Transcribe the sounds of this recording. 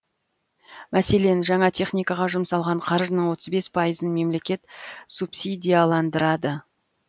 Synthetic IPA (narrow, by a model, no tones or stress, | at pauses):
mæse̞le̞nʒɑɴɑt̪ʰe̞χnijkɑʁɑʒʊmsɑlˠʁɑɴqʰɑɾʒənəɴwo̞t̪əzbe̞spʰɑjəzənme̞mle̞kʲe̞t̪supsʲid̪ʲijalˠɑnd̪əɾɑd̪ə